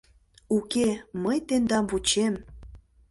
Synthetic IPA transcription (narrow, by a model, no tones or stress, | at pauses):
ukeməjt̪end̪ɑmvut͡ɕem